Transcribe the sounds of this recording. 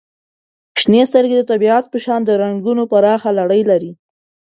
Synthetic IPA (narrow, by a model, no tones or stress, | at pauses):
ʃnest̪əɾɡed̪ət̪abiɑt̪opəʃɑnd̪əɾaŋɡunopaɾɑxalaɽəjlaɾi